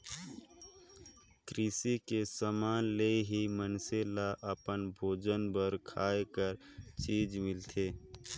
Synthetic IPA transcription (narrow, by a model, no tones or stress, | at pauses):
kɾɪsikesəmaːnleɦimənselaʔəpənbʱoːd͡ʒənbəɾkʰaːekəɾ | t͡ʃiːd͡ʒmɪlt̪ʰeː